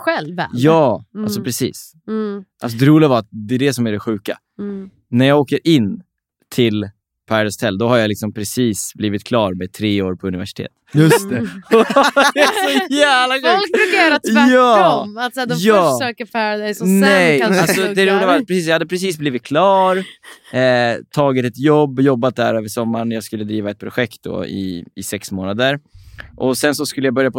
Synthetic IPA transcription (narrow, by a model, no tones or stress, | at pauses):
ɧɛlɛ̰jɑːalsɔpʰɾɛsḭːs | ʔa̰ls̬ɔd̪ɛɾuːlɪɡavaɾat̪̚d̪ɛːɖ̪ɛsɔmæɖɛɧʉ̟ːka̰ | næɾjɑːɡoːkəɾʔɪnː | t̪ʰɪl | pʰæd̪ɛst̪ʰɛlːd̪ɔhaɾjalɪksɔmpʰɾɛsiːsbliːvɪt̪̚kʰlɑːɾmɛd̪̚t̪ʰɾeːoːɾpʰɔɵnɪvæʂɪ̥t̪ʰḛːt̪jɵt̪ɔd̪ɛsɔjæːvlaɡɔlʉajːɾat̪ːɑːmat̪sɛd̪jɑːsɛkəfɛd̪esnɛjalsɔd̪ɛɾuːnəvaɾat̪̚pɾɛsiːs̬jajhad̪əpʰɾɛs̬iːsbliːvɪt̪̚kʰlɑːɾ | t̪ʰɑːɡɪt̪ɛt̪jɔbːjɔbːat̪̚d̪æ̰ɾøːvəʂɔmːaɳjɑːɡskɵlːəd̪ɾiːvaɛt̪̚pʰɾʊɧɛkt̪̚d̪ɔ̰ɪ̰ɪsɛksmoːnad̪əɾʔɔsɛnsɔskɵləjabœɾjapʰɔ